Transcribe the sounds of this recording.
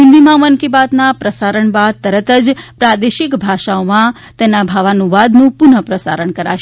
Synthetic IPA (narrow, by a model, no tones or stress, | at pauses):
ɪ̃nd̪imãmənkibat̪napɾəsaɾəɳbad̪̚t̪əɾət̪əd͡ʒpɾad̪eʃɪkbʱaʃaomã | t̪ɛnabʱaʋanũʋad̪nũpʊnəpɾəsa̰ɾəɳkəɾa̰ʃ